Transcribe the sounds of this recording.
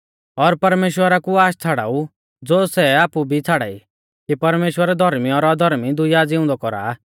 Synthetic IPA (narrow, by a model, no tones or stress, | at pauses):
ɔɾpɐɾmeːʃwəɾakuaːʃt͡sʰaːɽa̰ːu | d͡zoːsɛaːpubʱit͡sʰaːɽa̰ḭ | kipɐɾmeːʃwəɾɛd̪ʱɔɾmiɔɾɔd̪ʱɔɾmid̪ʊjad͡zɪʊ̃nd̪ɔkɔɾa̰ː